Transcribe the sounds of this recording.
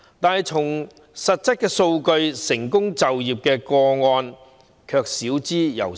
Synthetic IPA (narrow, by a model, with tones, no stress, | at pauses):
t̪aː˨jt͡sʰʊ˨˩ŋ | sɐ˨t̚t͡sɪ˥kːɛː˧so˧wkɵ˧ɥsɪ˨˩ŋkʊ˥ŋt͡sɐ˨wjiː˨p̚kɛː˧kɔː˧ŋɔː˧n | kʰœː˧k̚siː˨˥wt͡siː˥jɐ̰˨˩w